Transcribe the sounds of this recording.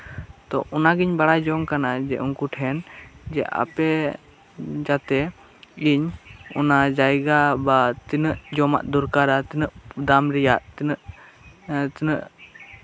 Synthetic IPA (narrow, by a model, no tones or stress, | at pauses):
t̪ɔ̰ʔɔnaɡiɲbaɽad͡ʒɔŋkanad͡ʒɛʔuŋkuʈʰɛnd͡ʒɛ̰ʔa̰pɛ | d͡ʒat̪ɛ | iɲɔnad͡ʒajɡabat̪inəʔd͡ʒɔma̰ʔd̪uɾkaɾat̪inəʔd̪amɾɛjaʔt̪nəʔ | t̪nəʔ